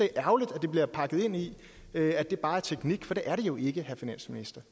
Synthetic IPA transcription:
eʔæʊlid̥æd̥e̝b̥liɐpʰɑ̈ɡ̥ð̞̩ˠe̝n̰i | øæd̥e̝ɐb̥ɑ̈ːæɐt͡sʰeɡ̥niɡ̥fɒ̽d̥e̝ʔæɐɾ̥e̝jo̝ʔe̝ɡ̥əhæɐfinæn̰sminisd̥ɐ

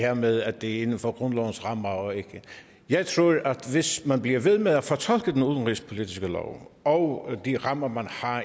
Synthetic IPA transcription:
heɐmeðˠæd̥e̝æɐe̝nn̩fɒ̽ɡ̥ʁɔ̽nlɒʊn̩sʁɑ̈m̰ɐɒ̽e̝ɡ̥ə | jɑ̈ɪt͡sʰʁoɐʔæd̥ʋe̝smænb̥liɐʋe̝ð̞ˠmeðˠæfɒt͡sʰɒ̽l̰ɡ̥əd̥enuðˠnʁḭːspʰo̝lid̥ʰisɡ̥əlɒ̰ʊɒʊd̥iʁɑ̈m̰ɐmænhɑ̈

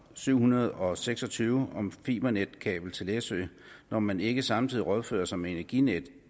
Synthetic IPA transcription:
syʊ̰hunɐð̞ˠɒ̽seɡ̥sɒ̽t͡sʰyːʊɒ̽mfiːb̥ɐned̥kʰɛ̰ːb̥l̩t͡sʰe̝lesøɪ | nɒmæne̝ɡ̥əsɑ̈mt͡sʰið̰ˠiʁɒð̞ˠfø̰ːɐsɒ̽meenæɐɡ̥ined̥

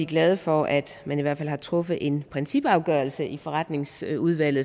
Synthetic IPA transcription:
iɡ̥lɛːð̞ˠfɒʔæd̥mæniʋæɐ̰̥fælhɑ̈t͡sʰʁɔ̽fð̩ˠʔe̝npʰʁɛnsib̥ɑ̈ʊɡ̥œɐl̩səʔifɒ̽ʁɑ̈d̥ne̝ŋsuðˠʋæl̰ð̩ˠ

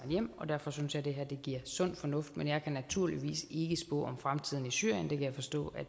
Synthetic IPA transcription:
jem̰ɒ̽d̥æɐfɒ̽synsjɑ̈ɪd̥e̝ɦæɐ̰d̥e̝ɡ̥iɐ̰sɔ̽n̰fɒ̽nɔ̽fd̥menjɑ̈ɪkʰænæt͡sʰuɐ̰liʋḭːse̝ɡ̥əsb̥ɔ̰ːɒ̽mfʁamt͡sʰið̞̰ˠn̩isyɐ̰jənd̥e̝kʰæjaɪfɒ̽sd̥ɔ̰̽ːæ̥

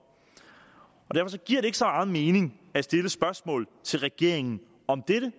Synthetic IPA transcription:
ɒ̽d̥æɐfɒ̽s̬ɒ̽ɡ̥iɐ̰ɾ̥ee̝ɡ̥əsɒ̽mɑ̈ːð̩ˠme̝ːne̝ŋ | æsd̥e̝ləsb̥ɶɐsmɔ̰ːlt͡sʰe̝lʁɛɡ̥e̝ɐ̰eŋn̩ | ɒ̽md̥eɾə

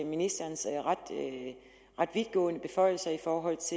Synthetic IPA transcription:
minisd̥ɐːnsʁad̥ | ʁad̥ʋiðˠɡ̥ɔ̰̽ːnəb̥e̝fɒ̽ɪ̰l̩sɐifɒːɦɒ̽l̰t͡sʰe

